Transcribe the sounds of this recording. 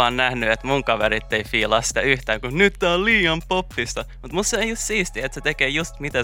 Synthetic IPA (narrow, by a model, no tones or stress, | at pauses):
ɑːnnæhnyet̪muŋkɑʋeɾit̪ːeifiːlɑːssi̥t̪æyht̪æːŋkunnyt̪næolliːɑmpopːist̪ɑ | mut̪must̪ːeejjust̪siːst̪iet̪set̪ekeːjust̪mit̪æ